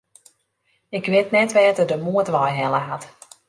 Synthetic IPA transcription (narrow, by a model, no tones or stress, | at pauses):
ɪkʋɪtnɛtʋɛːtədəmuətʋɔjɦɛləɦat